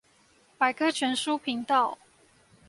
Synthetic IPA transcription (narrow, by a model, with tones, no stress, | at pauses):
pa˨˩ɪkʰɤ˥t͡ɕʰɥɛ˧˥nʂu˥˦pʰi˨˧˥ŋt̪ɑ˥˩ʊ